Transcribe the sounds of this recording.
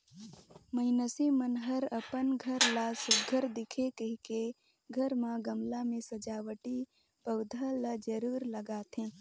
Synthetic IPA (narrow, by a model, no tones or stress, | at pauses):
məɪnəsimənɦəɾəpənɡʱəɾlasʊɡʱəɾd̪ɪkʰekəɦike | ɡʱəɾmãɡəmlamẽsɐd͡ʒaːwəʈi | pəʊd̪ʱəlad͡ʒəɾuːɾləɡaːt̪ʰɦẽː